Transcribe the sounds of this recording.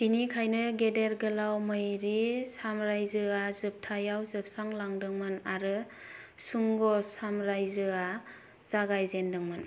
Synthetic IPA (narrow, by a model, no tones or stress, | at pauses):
kinikʰajnɯɡedeɾɡɯlawmɯjɾisamɾajzɯazɯp̚tʰajawzɯp̚saŋlaŋdɯŋmɯnaɾɯ | suŋɡɔsamɾajzɯa | z̥aɡajzendɯŋmɯn